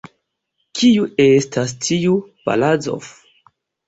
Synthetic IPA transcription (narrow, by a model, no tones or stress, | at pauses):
kʰijuestʰas̬tʰiupa̰lad͡zo̰f